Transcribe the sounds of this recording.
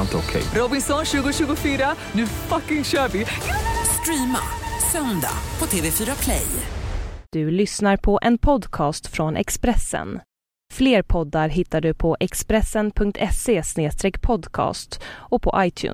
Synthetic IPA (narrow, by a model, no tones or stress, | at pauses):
lt̪ɔkʰɛ̰jɾɔbɪnsɔnɕʉ̟ːɡʊɕʉɡʊfyːɾanʉ̟fakːɪŋɕœːɾvɪst̪ɾiːma̰sœnd̪a̰pʰɔt̪ʰeːvefyːɾapʰlɛ̰j | d̪̥ɵlʏsnaɾpʰɔʔɛnpʰɔd̪kʰɑːst̪fɾɔnʔɛ̰kspɾɛsːə̰n | fleːɾpʰɔd̪ːaɾɦɪt̪ːaɖɵpʰɔʔɛkspɾɛsːənpʰɵŋk̚t̪ʰɛseːsneːst̪ɾɛkːpʰɔd̪kʰɑ̰ːst̪ɔpʰɔ̰ʔajt̪ʰjʉ̰ː